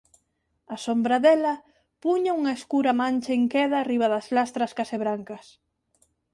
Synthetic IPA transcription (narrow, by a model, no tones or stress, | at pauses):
asombɾɐðɛlɐ | puɲɐuŋɐeskuɾɐmãnʲt͡ʃɐeŋkɛðɐːriβɐðɐslast̪ɾɐskɐseβɾaŋkɐs